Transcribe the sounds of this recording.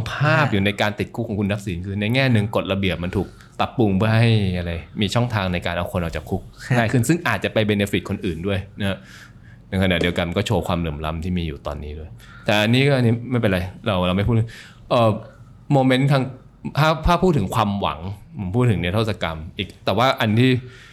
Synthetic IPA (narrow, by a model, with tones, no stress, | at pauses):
pʰaː˥˩p̚juː˨˩na˧jkaː˧nt̪i˨˩t̪̚kʰu˦˥kʰːɔ˩˦ŋkʰu˧nːa˦˥k̚siː˨˩˦nkʰɯː˧na˧jŋɛː˥˩nɯ˨˩ŋko˨˩t̪̚la˧bi˨˩əp̚ma˧nt̪ʰuː˨˩k̚ | t̪a˨˩pːu˧ŋpʰɯ˥ɐɦa˥˩jʔa˧ɾa˧jmiː˧t͡ɕʰɔ˥˩ŋt̪ʰaː˧ŋna˧jka̰ː˧nʔa˧wkʰo˧nʔaː˨˩t͡ɕa˨˩kʰːu˦˥k̚naː˥˩jkʰɯ˥˩nsɯ˥˩ŋʔaː˨˩t̪̚t͡ɕa˨˩pa˧jbe˧nːe˦˥fi˨˩kʰo˧nʔɯː˨˩ndu˥˩əjna˦˥ha˦˥ | na˧jkʰa˧na̰ː˨˩di˧əwka˧nm˧kɔː˥˩t͡ɕʰoː˧kʰwaː˧mlɯː˩˦əmla̰˦˥mt̪ʰiː˥˩miː˧juː˨˩t̪ɔ̰ː˧nːiː˦˥du˥˩əj | t̪ɛː˨˩ʔa˧nːiː˦˥kɔː˥˩ʔa˧niː˦˥ma˥˩jpe˧nɾa˧jɾa˧wɾa˧wma˥˩jʰpʰu˥˩t̪̚ʰɯ˥˦ | ʔəː˨˩ | moː˧me˦˥nt̪ʰaː˧ŋ | t̪ʰaː˥˩p̪ʰaː˥˩pʰu˥˩t̪ʰːɯ˩˦ŋkʰwaː˧mwa̰˩˦ŋpʰo˩˦mpʰuː˥˩t̪̚ʰːɯ˩˦ŋni˥˩t̪ʰo˥˩sa˧ka˧mʔiː˨˩k̚t̪ɛː˨˩waː˥˩ʔa˧nt̪ʰiː˥˩